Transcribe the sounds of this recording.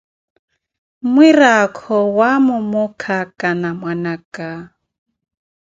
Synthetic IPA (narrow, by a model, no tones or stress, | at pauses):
mwirakʰɔwamʊmʊkʰakʼanamwanakʼa